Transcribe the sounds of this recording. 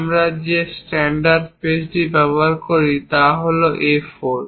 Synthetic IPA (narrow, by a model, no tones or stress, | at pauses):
amɾad͡ʑesʈɛɳɖaɾɖpesɖibɛboaɾkoɾit̪aɦoloʔefoɾ